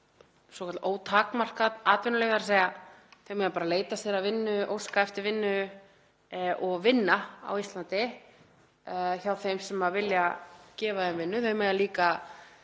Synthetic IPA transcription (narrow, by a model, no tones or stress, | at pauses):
sɔkʰat̪oːwt̪ʰaːkmar̥kat̪aːt̪vɛnʏleːɣðaɾseːjaθœɥmɛɣðapaːɾaleːjt̪ast̪ɛːɾavɪnːʏʔo̰ːwskaɛft̪ɪɾvɪnːʏ | ʔɔɣvɪnːaa̰wist̪lant̪ɪ | çawθejmsɛmaðvɪljacɛːvaðɛmvɪnːʏθœɥmɛɣðaliːka